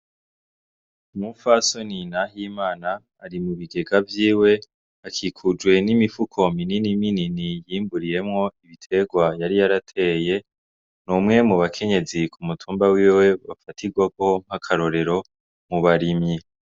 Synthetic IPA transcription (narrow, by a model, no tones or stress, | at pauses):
mufaso̞ninaɦiːmaːnaː | ɾimuβiɡe̞ɡavjiːwe̞ | akʰikʰud͡ʒwe̞nimifukʰo̞mininimininijiːmbuɾije̞mŋo̞iβitʰe̞ɡwajaɾijaɾatʰe̞ːje̞ | numŋe̞muβakʰe̞ɲe̞zikʰumutʰuːmbawiːwwe̞βafatʰiɡwaɡoom̥hakʰaɾo̞ɾe̞ɾo̞ | muβaɾimɲi